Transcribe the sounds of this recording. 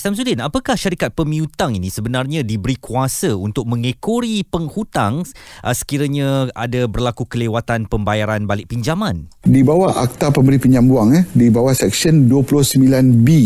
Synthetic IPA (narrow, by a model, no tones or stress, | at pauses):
sams̬ulɪnapakahʃaɾikat̪̚pəmĩut̪aŋinĩsəbənarɲãdibəɾikuasəunt̪ʊk̚mə̃ŋekoɾipəŋhut̪aŋʔəsə̥kiɾaɲãa̰dabərlakukəlewat̪anpəmbajaɾanbalɪʔ̚piɲd͡ʒamãndibawaʔa̰k̚t̪apəmbəɾipiɲd͡ʒambuaŋdibawahsɛk̚sənduəpulʊhsəmbilanbi